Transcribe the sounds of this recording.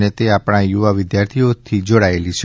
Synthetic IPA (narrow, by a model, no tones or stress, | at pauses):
net̪eapɽ̃ajuʋaʋɪd̪jaɾt̪ʰiot̪ʰid͡ʒoɽaelit͡ʃʰ